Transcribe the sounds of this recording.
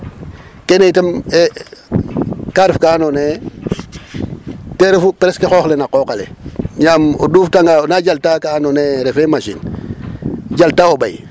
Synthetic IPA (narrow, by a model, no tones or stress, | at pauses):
kenetəme | kaɾifkaanone | teɾfupɾeskexoxlenakokalḛɲamo̰duːftaŋɡanad͡ʒaltakaːnoneɾefemaʃḭn | d͡ʒaltaobaj